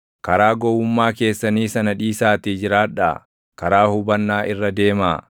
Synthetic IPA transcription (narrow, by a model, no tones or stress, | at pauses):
kɐɾaːɡɔwʊmːaːke̞ːsːɐniːsɐnɐᶑiːsaːt̪id͡ʒɪɾaːᶑa̰ | kɐɾaːhʊbɐnːaːʔɪrːɐd̪e̞ːmaː